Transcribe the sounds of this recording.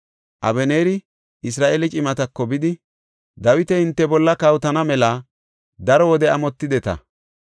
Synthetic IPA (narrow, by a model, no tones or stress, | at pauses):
ʔɐ̰bɛneːɾɪ | ʔɪs̬ɾaːʔelɪt͡ʃʼɪmɐt̪ɐkːɔbɪd̪ɪ | d̪ɐwɪt̪ɛhɪnt̪ːɛbɔlːɐkɐwt̪ɐnɐmɛlɐ | d̪ɐɾɔwɔd̪ɛɐmɔt̪ːɪd̪ɛt̪ɐ̰